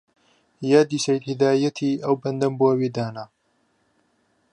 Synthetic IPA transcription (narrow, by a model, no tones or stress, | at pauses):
jaːd̪iːsɐjt̪hɪd̪aːjɐt̪ʰiːɐwbɐnd̪ɐmboɐwiːd̪aːna